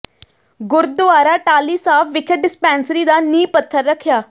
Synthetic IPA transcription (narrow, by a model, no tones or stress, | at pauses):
ɡʊɾd̪ʊaːɾaːʈaːliːsaːfʋɪkʰəʈ̚ɖɪspɛ̃ːnsɾiːd̪aːniːpət̪ʰːəɾːəkʰːjaː